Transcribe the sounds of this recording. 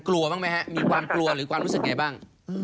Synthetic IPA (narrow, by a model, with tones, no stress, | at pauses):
klu˧ɐbaː˥˩ma˦˥jha˦˥ʔmiː˧kʰwaː˧mklu˧ɐɾɯː˩˦kʰwaː˧mɾu˦˥sɯ˨˩ŋa˧jbaː˥˩ŋ